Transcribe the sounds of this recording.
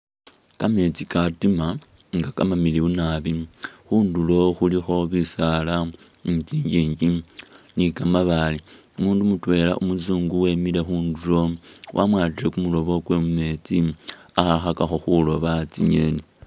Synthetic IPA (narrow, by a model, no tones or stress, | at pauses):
kame̞t͡sikatima | ŋɡakamamiliβunaβixuːndulo̞xulixo̞βisala | ciːɲɟiːɲɟinikamaβali | muːndumutwe̞ːla̰ʔumuzuːŋɡuwe̞mile̞xuːndulo̞wʔa̰mwaːtiɾe̞kumulo̞βo̞kwe̞mume̞ːt͡siaxaxakaxo̞xulo̞βat͡siɲe̞ni